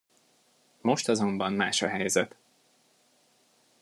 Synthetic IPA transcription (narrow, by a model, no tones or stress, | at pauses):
mo̞ʃt̪ɒzo̞mbɒmma̰ːʃɒɦɛjzɛt̪